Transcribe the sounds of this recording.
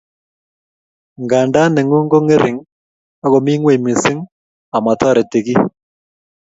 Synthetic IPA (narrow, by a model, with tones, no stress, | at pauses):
ŋɡa˨nda˦nɛ˨ŋu˦ŋɡo˦ŋɪ˦ɾʔɪ˨ŋ | a˦ɣɔ˨mi˦ŋwe˦˨mi˨sɪ˦ŋ | a˨ma˨tʰɔ˦ɾɛ˨te˨ɣi˦